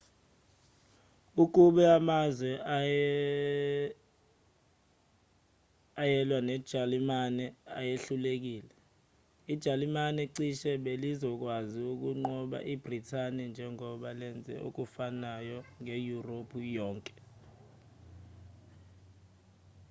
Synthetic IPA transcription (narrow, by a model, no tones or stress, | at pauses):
uk̬uɓɛamazwɛa | ajɛlwanɛd̥ʒ̥ʱalimanɛa̰jeɬulek̬iːlɛ | id̥ʒ̥ʱalimanɛǀiʃɛɓelizɔk̬waziuk̬uŋ͡ǃɔɓa̰ʔib̥ʱritʰanɛnd͡ʒʱɛŋɔɓalɛnd͡zʱɛ̰ʔṵk̬ufanajɔŋejuropʰujɔːŋkʼɛ̥